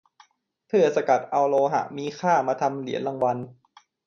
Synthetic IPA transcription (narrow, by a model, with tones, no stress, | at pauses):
t̪ʰɯ˥˩ɐsa˧ka˨˩t̪̚ʔa˧wloː˧ɦa̰˨˩ʔmiː˧kʰaː˥˩maː˧t̪ʰa˧mli˨˦ənla˧ŋwa˧n